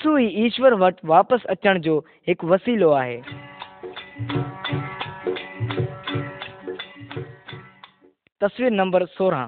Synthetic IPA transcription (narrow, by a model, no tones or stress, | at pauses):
suːiːiːʃʋəɾʋɐʈʋaːpəsɐt͡ɕəɽ̃d͡ʑoː | ɦɪkʋɐsiːloaːɦeː | t̪ɐsʋiːɾnɐ̃mbəɾsoːɾãː